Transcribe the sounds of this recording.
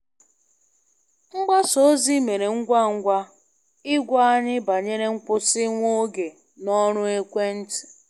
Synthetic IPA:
ŋ͡m̩˦ɡ͡ba˦so˨˦zi˦me˨ɾe˨ŋ̩˦ɡʷa˦˨ŋ̩˦ɡʷa˦ | ɪ˦ɡʷa˦a˦ɲɪ˦ba˨ɲe˦ɾe˦ŋ̩˦kʷʊ˦sɪ˦ŋʷo˦ɡe˨ | nɔ˦ɾʊ˦e˦kʷe˦n̩˦tɪ̥˨

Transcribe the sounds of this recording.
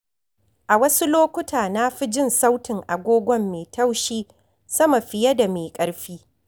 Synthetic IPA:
ʔa˨wɐ˦su˦loː˦kʷʊ˦tʰaː˨na˦ɸi˦d͡ʒɪ˦˨nsa˦wtɪ˨ŋʔa˨ɡʷoː˦ɡʷɔ˦mːeː˨tʰɐ˦wʃiː˦ | sɐ˦ma˨ɸɪ˨jɐ˦da˨meː˨kʼɐ˦ɽɸiː˦

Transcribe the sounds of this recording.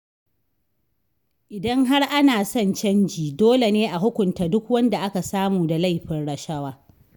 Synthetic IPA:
ʔɪ˨dɐ˦ŋɦa˦rʔa˦naː˨sɔ˦˨nt͡ʃɐ˦nd͡ʒiː˨doː˦le˨neː˦ʔa˨ɦʊ˦kʷʊ˨ntaː˨dʊ˦kwɐ˦nda˨ʔa˦ka˨saː˦muː˨da˨la˦jɸɪ˦nɽɐ˨ʃɐ˦waː˦

